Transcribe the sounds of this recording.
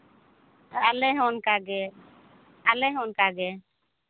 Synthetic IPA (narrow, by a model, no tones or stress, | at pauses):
alɛɦɔnkaɡɛ | alɛɦɔnkaɡɛ